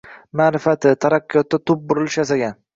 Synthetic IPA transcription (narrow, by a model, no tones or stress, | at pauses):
maːɾɪfat̪ɪt̪ʰaɾakʲːjɒt̪ːat̪ʰʊp̚bʊɾɪlɪʃjasaɡʲan